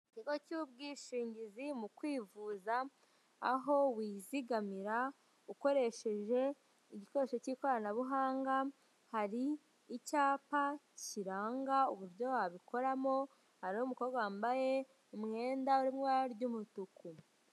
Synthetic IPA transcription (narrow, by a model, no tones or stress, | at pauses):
iciɡo̞cub̚ɡiʃiːɲɟizimukwiːvuːzaː | ɦo̞wiːziɡamiɾa | uko̞ɾe̞ʃe̞ʒe̞ | iɟiko̞ɾeʃeciko̞ɾanaβuɦaːŋɡa | haɾiː | caːpa | ciɾaːŋɡauβuɾjo̞waβiko̞ɾamo̞ | haɾinomuko̞ːɾɡaaːmbaje̞ | umŋe̞ːndauɾimŋaaɾɟumutuku